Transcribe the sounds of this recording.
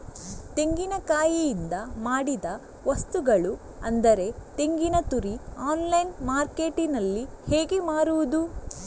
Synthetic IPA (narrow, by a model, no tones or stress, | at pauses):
t̪e̞ŋɡinɐkaːjijind̪ɐmaːɽid̪ɐ | ʋɐst̪uɡɐɭu | ɐnd̪ɐɾe̞t̪e̞ŋɡinɐt̪uɾiaːnlɐjnmaːɾke̞ːʈinɐlːiheːɡe̞maːɾuʋud̪u